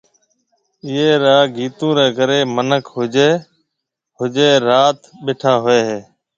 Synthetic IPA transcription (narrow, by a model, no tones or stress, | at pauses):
ɪeːɾaːɡʱiːt̪ũːɾeːɡəɾeːmənəkʰɦʊd͡ʒeː | ɦʊd͡ʒeːɾaːt̪ɓeːʈʰaːɦʊeːɦeː